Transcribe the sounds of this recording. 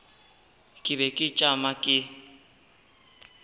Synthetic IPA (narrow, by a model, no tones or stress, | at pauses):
kʼɪbɛkʼɪt͡ʃʼamakʼɪ